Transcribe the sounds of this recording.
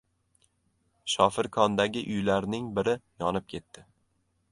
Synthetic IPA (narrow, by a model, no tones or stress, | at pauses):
ʃɒfɪɾkʰɒnd̪aɡʲɪʔʊjlaɾnɪŋbɪɾɪjɒnɪp̚kʲʰe̞t̪ːɪ